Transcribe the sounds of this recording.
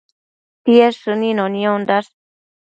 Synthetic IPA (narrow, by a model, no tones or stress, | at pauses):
t̪ieʂɨnĩnonĩond̪as